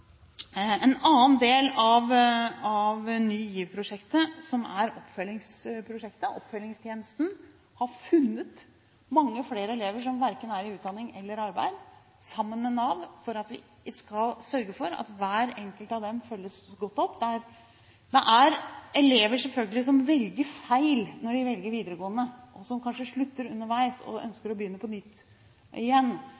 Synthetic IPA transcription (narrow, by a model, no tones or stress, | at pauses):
ɛnɑːnd̪eːlɑʋɑʋnyːjiːʋpʰɾʊʂɛkt̪əsɔmæ̰ɾɔpːfœlːɪŋspʰɾʊʂɛkt̪əʔɔpːfœlːɪŋst̪ʰjeːnəst̪n̩ | hɑɾfʉnːət̪ | mɑŋːəfleːɾəɛleːʋəʂɔmʋæɾkənæɾɪʉːt̪d̪ɑnɪŋɛlːəɾɑɾbæ̰ɪd̪ | sɑmːənmɛnɑʋfɔɾɑt̪ʋɪ̰ | skɑlsœɾɡəfɔɾɑ̰t̪ʋæːɾɛŋkəlt̪ɑʋd̪ɛmfœlːəsɡɔt̪ːɔpːd̪ɛæɾ | d̪ɛʔæɾʔɛleːʋəʂɛlfœlɡəlɪs̬ɔmʋɛlɡəɾfæɪlnɔɖɪʋɛlɡəɾʋiːd̪əɾəɡoːənːəʔɔsɔmkʰɑnʂəʂɭʉt̪ːəɾʉnːəɾʋæɪsɔ̰œ̰nskəɾɔbjʏnːəpʰɔnʏt̪ː | ɪjɛnː